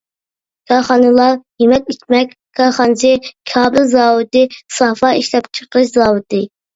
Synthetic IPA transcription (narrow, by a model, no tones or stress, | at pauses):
kʰɑχɑnɨlˠɑjimɛt̪̚it͡ʃ̪mɛkʲ | kʰɑːχɑnɨt͡ʃɨkʲʰɑːbɨlzɑːwɨt̪ɨsɑfɑiʃlɛpt͡ʃʰə̥qɨʃzɑːwɨt̪ɨ